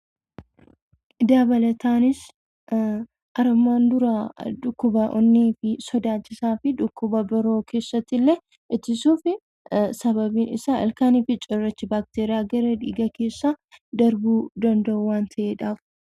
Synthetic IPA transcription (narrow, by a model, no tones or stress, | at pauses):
ʔɪd̪aːbɐlɐt̪ʰaːnɪs | ʔɐɾɐmːaːnd̪ʊɾaᶑʊkːʊbɐʔɔ̰nːiːfɪsɔd̪aːt͡ʃːɪsaːfɪᶑʊkːʊbɐbɪɾo̞ːkʰe̞ːsːɐt̪ːɪlːɛ | ʔɪt̪ːɪsuːfɪ | sɐβɐbiːnɪ̰saːʔɐ̰lkaːniːfɪt͡ʃʼɔrːɐt͡ʃːɪbaːk̚t̪eːɾɪjaːɡɐɾɐᶑḭːɡɐke̞ːsːad̪ɐɾbuːd̪ɐnd̪ɐuwaːnt̪ʰɐʔeːᶑaːf